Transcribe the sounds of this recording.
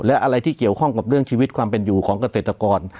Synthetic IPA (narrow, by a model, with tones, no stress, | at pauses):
lɛ˦˥ʔa˧ɾa˧jt̪ʰiː˥˩ki˨˩əwkʰɔ˥˩ŋka˨˩p̚ɾɯ˥˩əŋt͡ɕʰiː˧wi˦˥t̪̚kʰwaː˧mpe˧njuː˨˩kʰɔː˩˦ŋka˧se˨˩t̪ɾa˧kɔː˧n